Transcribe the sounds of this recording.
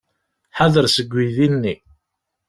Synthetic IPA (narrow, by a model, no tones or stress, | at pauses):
ħaðəɾsəɡʷːiðinːi